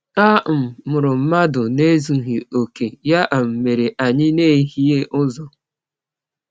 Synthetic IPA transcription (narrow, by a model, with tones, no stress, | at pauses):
a˦˨m̩˨mʊ˨ɾʊ˨m̩˦ma˦dʊ˨ne˦zu˨ɦi˨o˨ke˨ja˦ʔa˨m̩˨me˨ɾe˨ʔa˨ɲɪ˦ne˦˨˦ɦi˦e˦ʔʊ˦zɔ˨